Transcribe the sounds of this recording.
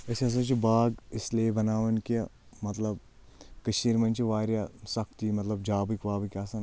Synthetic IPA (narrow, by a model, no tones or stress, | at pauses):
esɐs̬ɐt͡ʃibaːɡɪsliebɐnaːʋɐnk | mɐt̪lɐb̚ | kɐʃiːɾmɐnt͡ʃiʋaːɾjasɐkʰt̪imɐt̪lɐbd͡ʒaːbikʋaːbikʲaːsɐ̃ŋ